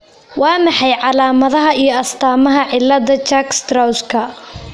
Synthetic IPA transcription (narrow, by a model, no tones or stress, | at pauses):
wʔɑːnɑħɑjʕɑlaːmɐðɐɦɐijɞɐst̪ʰaːmɐɦɐʕɪlːɐd̪ɐt͡ʃakst̪rɐwskʰɐ